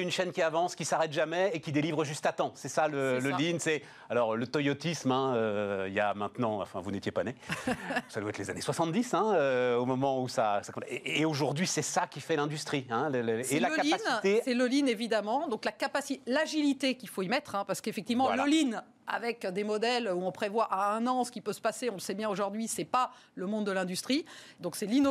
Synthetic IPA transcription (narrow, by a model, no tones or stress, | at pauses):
ynʃɛnkʲiavɑ̃skʲisaʁɛt̪ʒamɛekʲid̪elivʁəʒyst̪at̪ɑ̃sɛsalələlinsɛ | alɔʁlət̪ɔjɔt̪ismɛ̃øija̰mɛ̃t̪nɑ̃ɑ̰̃fɛ̃vunet̪jepane | sad̪waɛt̪leza̰neswasɑ̃t̪̚d̪isɛ̃øomɔmɑ̃usasakɔ̃eːoʒuʁd̪ɥisɛsakʲifɛlɛ̃d̪yst̪χiɛ̃ləlsːɛlakaliant̪esɛlolinevid̪amɑ̃d̪ɔ̃klakapasilaʒilit̪ekʲilfoimɛt̪χɛ̃paʁsə̥kefɛk̚t̪ivmɑ̃llin | a̰vɛkd̪emɔd̪ɛløuɔ̃pχevwaʔaɛ̃nɑ̃sə̥kʲipøsə̥paseɔ̃ləsɛbjɛ̃oʒuʁd̪ɥisɛpa | ləmɔ̃d̪ːəlɛ̃d̪yst̪χid̪ɔ̃ksɛlino